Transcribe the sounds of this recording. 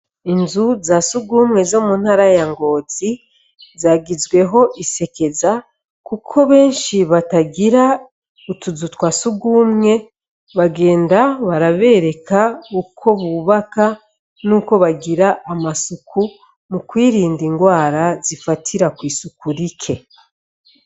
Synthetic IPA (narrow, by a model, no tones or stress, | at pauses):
inzuzasuɡuːmŋe̞zomun̥haɾajaŋɡo̞t͡si | zaːɡizɡwe̞ɦo̞ʔise̞ke̞za | kukʰo̞βe̞ːnʃiβataɡiɾa | utuzutwasuɡumŋe̞ | βaɡe̞ːndaβaɾaβe̞ːɾe̞kaukʰo̞βuβaka | nuːko̞βaɡiɾaʔːmasukʰu | mukwiːɾiːndiŋɡwaːɾazifatʰiɾakwiːsukuɾikʰe̞